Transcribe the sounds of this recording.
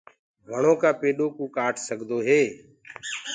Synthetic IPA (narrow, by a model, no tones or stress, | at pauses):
ʋəɳõːkaːpeːɗoːkũːkaːʈʰsəɡʱd̪oːɦeː